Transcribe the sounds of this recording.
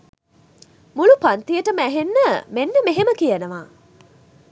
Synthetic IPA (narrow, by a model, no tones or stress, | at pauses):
mulupant̪ijəʈəmæɦenːəmenːəmeɦeməkijænəʋaː